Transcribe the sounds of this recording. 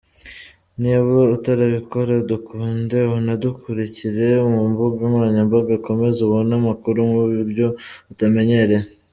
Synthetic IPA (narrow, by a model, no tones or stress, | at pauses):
niβoutaɾaβikoɾadukʰuːnde̞hunadukʰuɾiciɾe̞umumbuɡamuɾaɲamboɡako̞me̞zuβonamakuɾumuβuɾjo̞utame̞ɲe̞ɾe̞